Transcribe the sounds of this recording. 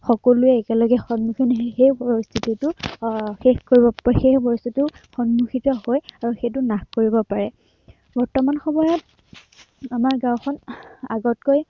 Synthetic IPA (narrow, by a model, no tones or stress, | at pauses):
xɔkɔluɛːkɛlɔɡɛxɔnmuxinxejpoɹist̪ʰititʊxexkoɹibɔxexpɔɹistʰituxɔnmuxitɔhojaɹuxet̬ʊnaxkoɹibɔpaɹɛ | bɔɹtɔmanxɔmɔjɔt | amaɹɡãw̃xʰɔna̰ɡɔt̚koj